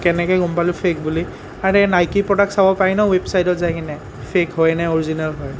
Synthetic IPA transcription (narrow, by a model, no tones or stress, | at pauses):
kɛnɛkɔjɡumpalʊpʰek̚buli | aɹɛnajkipɹɔdak̚sabɔpajnɔwebsajdɔtzajkinɛ | pʰekɦɔjnɛoɹizinalɦɔj